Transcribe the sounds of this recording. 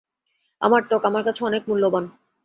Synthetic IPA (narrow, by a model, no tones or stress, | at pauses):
a̰maɾʈokamaɾkat͡ɕʰeɔnek̚mulːoban